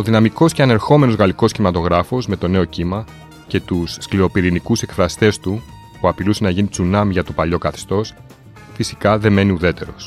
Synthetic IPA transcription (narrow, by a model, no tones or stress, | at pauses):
oðinɐmiko̞sceɐne̞ɾxo̞me̞no̞zɣɐliko̞sçimɐt̪o̞ɣɾɐfo̞sme̞t̪o̞ne̞o̞cimɐ | ce̞t̪usːkliɾo̞piɾinikuse̞kfɾɐst̪e̞st̪u | puɐpilusenɐʝinit͡sunɐmiʝɐt̪o̞pɐʎo̞kɐθe̥st̪o̞s | fisi̥kɐðe̞me̞niuðe̞t̪e̞ɾo̞̰s